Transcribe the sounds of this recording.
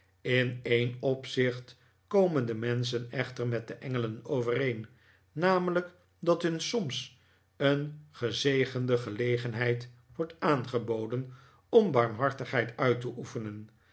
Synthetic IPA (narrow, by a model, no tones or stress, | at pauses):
ɪnejnɔpsɪχt | kowməndəmɛns̬ənɛχtəɹmɛt̚dəʔɛŋələnowvərejnː | aːmələk | dɑtɦɵnsɔms | ənχəzejχəndəχəlejχənɦɛjt | ʋɔɹtaːnχəbowdən | ɔmbɑɹmɦɑɹtəχɦɛjtœɥtəʔufənən